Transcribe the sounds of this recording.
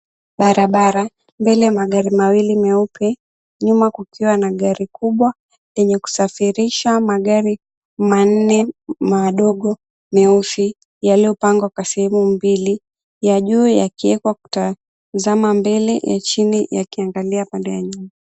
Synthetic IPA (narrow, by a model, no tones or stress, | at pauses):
ɓaɾaɓaɾa | mbɛlɛjamaɠaɾimawilimɛupʰɛ | ɲumakukiwanaɠaɾikuɓwa | jɛɲɛku̥safiɾiʃamaɠaɾi | man̩nɛmaɗɔɠɔ | mɛufi | jaliɔpaŋɡwakwasɛhɛmumbili | jaʄuːja̰kiɛkwaku̥ta | zamambɛlɛjʔa̰t͡ʃinija̰kiaŋɡaliapandɛjaɲuma